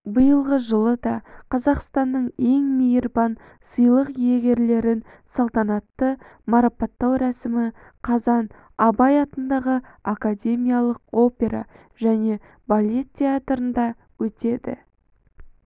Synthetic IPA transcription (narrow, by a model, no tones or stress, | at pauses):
bəjəlˠʁəʒəlˠəd̪ɑqʰɑzɑqst̪ɑnːəɴe̞ŋmijəɾbɑn | səjlˠəqjeɡʲe̞ɾle̞ɾɪn | sɑlˠt̪ɑnɑt̪ːəmaɾapat̪ːɑwɾæsɪmɪ | qʰɑzɑn | ɑbɑjɑt̪ənd̪ɑʁəakad̪ʲe̞mʲijalˠəq̚o̞pʲe̞ɾɑ̰ | ʒ̥æne̞ | balʲe̞t̪tʰʲːe̞at̪ɾənd̪ɑ | wɵt̪e̞d̪ɪ̰